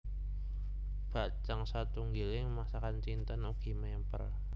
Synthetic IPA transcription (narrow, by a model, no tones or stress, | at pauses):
b̥aʔt͡ʃaŋsat̪uŋɡilɪŋmasakant͡ʃint̪anuɡ̥imɛəmpə̰r